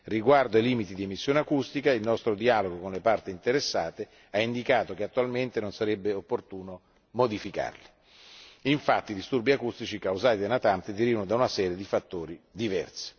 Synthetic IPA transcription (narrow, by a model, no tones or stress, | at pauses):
riɡward̪oailiːmit̪id̪iemisːjoːneakust̪ikailnɔst̪ɾod̪iaːloɡokonlepart̪iːnt̪eɾesːaːt̪e | aind̪ikaːt̪okeat̪ːualment̪enonsaɾebːeopːort̪uːno | mod̪ifika̰rli | iɱfat̪ːiːd̪ist̪urbiakust̪it͡ʃikawzaːt̪id̪anat̪ant̪id̪iɾivanod̪aunasɛːɾjed̪ifat̪ːoːɾid̪ivɛ̰rse̥